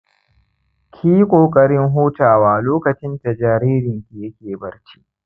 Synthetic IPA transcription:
kʲʰiː˦kʷʼoː˨kʼɐ˦ɽɪ˦ŋɦoː˦taː˨waː˨loː˦kɐ˨t͡ʃɪ˦nta˨d͡ʒaː˨ɾiː˦ɾɪ˨ŋkʲi˨jɐ˦kʲeː˨bɐ˨ɽt͡ʃi̥˦ʔ

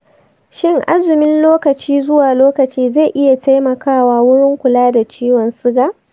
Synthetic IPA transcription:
ʃɪ˦ŋʔa˦zʊ˨mɪ˦nloː˦kɐ˨t͡ʃiː˦zʊ˦waː˨loː˦kɐ˨t͡ʃiː˦za˦˨ʔɪ˦ja˨ta˦jmɐ˨kaː˦˨waː˦wʊ˦ɽɪ˦ŋkʷʊ˨laː˦da˨t͡ʃiː˦wɔ˨nsɪ˦ɡaː˨

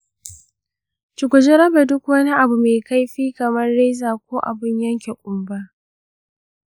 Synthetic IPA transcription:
t͡ʃʊ˨kʷʊ˨d͡ʒe˦ɾɐ˦ba˨dʊ˦kwɐ˦ni˦ʔa˨bu˨me˨ka˦jɸiː˦kɐ˨mɐ˦nɽe˦zaː˨kʷoː˦ʔa̰˨bɪ˦ɲjɐ˦ŋkʲe˨kʷʼʊ˨mba˦

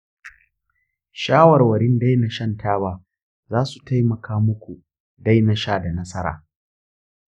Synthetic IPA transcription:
ʃaː˦wɐ˨rwɐ˨ɽɪ˦nda˦jna˨ʃɐ˦ntʰaː˦baː˦ | zaː˦su˨tʰa˦jmɐ˨kʰaː˦mʊ˦kʷu˨ | da˦jnɐ˦ʃaː˦da˨nɐ˦sɐ˦ɾa̰ː˨

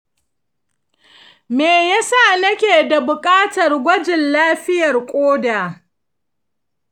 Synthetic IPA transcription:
meː˨ja˦sa˦˨nɐ˦kʲeː˨da˨bʊ˨kʼaː˦tɐ˨rɡʷɐ˦d͡ʒɪ˨nlaː˦ɸɪ˦jɐ˨rkʷʼoː˦daː˨

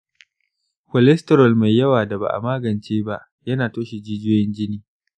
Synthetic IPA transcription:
ɸɔ˨lɛ˦stɛ˨ɾɔ˨lma˨jjɐ˦waː˨da˨ba̰˨ʔa̰˨maː˦ɡɐ˨nt͡ʃeː˦ba˦ʔ | jɐ˦naː˨toː˦ʃi˨d͡ʒiː˦d͡ʒʊː˦jɛ˦nd͡ʒɪ˦niː˦

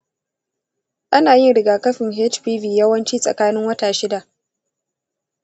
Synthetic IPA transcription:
ʔa˦naː˨jɪ˦nɽɪ˨ɡaː˨kɐ˦ɸɪ˨ŋɦeː˦t͡ʃɸiː˦viː˨jɐ˦wɐ˦nt͡ʃiː˦sʼɐ̰˨kaː˦nɪ˦ŋwɐ˦taː˨ʃɪ˦da˨ʔ

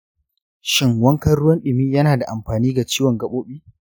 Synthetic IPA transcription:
ʃɪ˦ŋwɐ˦ŋkɐ˦ɽʊ˦wɐ˦nɗɪ˨miː˦jɐ˦naː˨da˨ʔa˨mɸaː˨niː˦ɡa˨t͡ʃiː˦wɔ˨ŋɡɐ˦ɓoː˦ɓiː˦

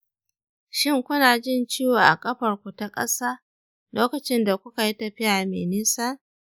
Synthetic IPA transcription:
ʃɪ˦ŋkʷʊ˦naː˨d͡ʒɪ˦nt͡ʃiː˦waː˨ʔa̰˨kʼɐ˦ɸɐ˨rkʷu˨ta˦kʼɐ̰˦saː˦ | loː˦kɐ˨t͡ʃɪ˦nda˨kʷʊ˦ka˨ji˦tɐ˨ɸɪ˦jaː˨mḛː˨niː˦saː˦

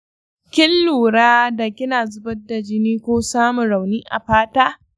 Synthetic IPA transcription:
kʲɪ˦lːuː˨ɽaː˦da˨kʲɪ˦naː˨zʊ˦bɐ˦da˨d͡ʒɪ˦niː˦kʷoː˦saː˦mʊ˨nɽa˨wniː˦ʔa̰˨ɸaː˦taː˦

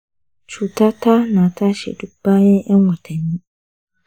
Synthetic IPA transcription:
t͡ʃʰu˨tʰa˦tʰa˦nã˨tʰa˦ɕɛ̰˨du˦ba˦ɲɛ̃˦ʔɛ˦ŋwʷɔ˨tʰa˨nĩ˦

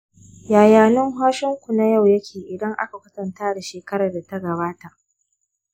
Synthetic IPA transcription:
jaː˨jaː˨nʊ˦ŋɦaː˦ʃɪ˦ŋkʷu˨na˦ja˦˨wjɐ˦kʲʰeː˨ʔɪ˨dɐ˦ŋʔa̰˦ka˨kʷɐ˦sɐ˨ntaː˦da˨ʃeː˨kɐ˦ɾɐ˨rda˨ta˦ɡɐ˨baː˦ta˨ʔ

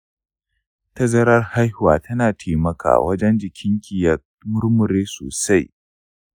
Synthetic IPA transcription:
tɐ˦zɐ˦ɾɐ˦rha˦jhwa̰ː˨tʰɐ˦naː˨tʰeː˨mɐ˦ka̰ː˨wɐ˦d͡ʒɛ˦nd͡ʒɪ˨kʲʰɪ˦ŋkʲɪ˨jɐ˨ | mʊ˦ɾmʊ˨ɾeː˦so̰ː˨sa˦j

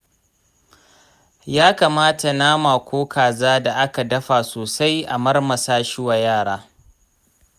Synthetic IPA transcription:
jaː˦kaː˨maː˦ta˨naː˦maː˨kʷoː˦kʰaː˨zaː˦da˨ʔa˦ka˨dɐ˦ɸa˨soː˨sa˦jʔa˨mɐ˦rmɐ˨saː˦ʃɪ˦wa˨jaː˦˨ɽaː˦

